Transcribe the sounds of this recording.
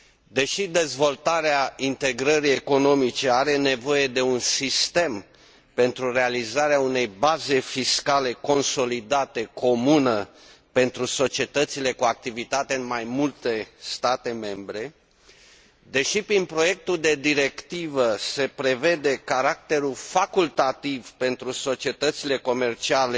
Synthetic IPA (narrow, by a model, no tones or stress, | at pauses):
d̪e̞ʃid̪e̞zvo̞lt̪aɾeaint̪e̞ɡɾəɾie̞ko̞no̞mit͡ʃe̞aɾe̞ne̞vo̞je̞d̪e̞unsist̪e̞m | pe̞nt̪ɾuɾe̞alizaɾeaune̞jbaze̞fiskale̞ko̞nso̞lid̪at̪e̞ko̞munə | pe̞nt̪ɾuso̞t͡ʃie̞t̪ət̪sile̞kuak̚t̪ivit̪at̪eɨnmajmult̪e̞st̪at̪e̞me̞mbɾe̞ | d̪e̞ʃipɾinpɾo̞je̞k̚t̪uld̪e̞d̪iɾe̞kt̪ivəse̞pɾe̞ve̞d̪e̞kaɾak̚t̪e̞ɾulfakult̪at̪ivpe̞nt̪ɾuso̞t͡ʃie̞t̪ət̪sile̞ko̞me̞rt͡ʃiale